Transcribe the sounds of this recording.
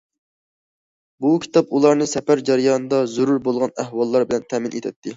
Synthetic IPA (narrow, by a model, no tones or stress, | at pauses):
bukʲʰi̥t̪ʰɑpulˠɑɾnɨsɛpæɾd͡ʒɛɾjɑːnɨd̪ɑzuɾuɾbolˠʁɑnæhwɑlˠːɑɾbɪlɛnt̪ʰɛmɪnʔḛt̪ʰɛt̪ʰːɪ